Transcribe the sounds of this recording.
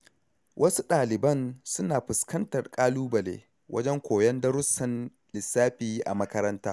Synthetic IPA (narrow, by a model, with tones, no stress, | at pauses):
wʔɐ˦su˦ɗaː˨lɪ˨bɐ˦˨nsʊ˦naː˨ɸʊ˨skɐ˦ntɐ˨rkʼaː˦luː˦bɐ˨lḛː˦ | wʔɐ̰˦d͡ʒɛ˦ŋkʷoː˨jɐ˦ndɐ˦ɾʊ˦sːɐ˨n | lɪ˨sːaː˦ɸiː˦ʔa̰˨mɐ˦kɐ˦ɾɐ˦ntaː˦